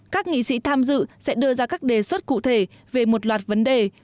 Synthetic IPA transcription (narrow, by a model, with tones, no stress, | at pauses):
kaː˦˥k̚ŋḭ˧˨sḭ˧˥t̪ʰaː˧mzɨ̰˧˨sɛ̰˧˥ɗɨ˧əzaː˧kaː˦˥k̚ɗe˨˩swə˦˥t̚kṵ˧˨t̪ʰe˧˩ve˨˩mo˨˩t̚lwaː˨˩t̚və˨˦nɗe˨˩